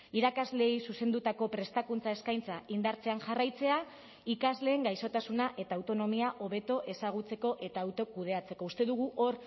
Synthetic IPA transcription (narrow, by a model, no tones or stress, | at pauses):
iɾakazle̞ːjsuse̞nd̪ut̪ako̞pɾe̞st̪akunt͡sae̞skajnt͡saind̪aɾt͡se̞anʝarajt͡se̞a | ikazle̞ːŋɡajso̞t̪asunaʔe̞t̪aːwt̪o̞no̞miaʔo̞βe̞t̪o̞ʔe̞saɣ̞ut͡se̞ko̞ʔe̞t̪aːwt̪o̞kuð̞e̞at͡se̞ko̞ust̪e̞ðuɣ̞uʔo̞ɾ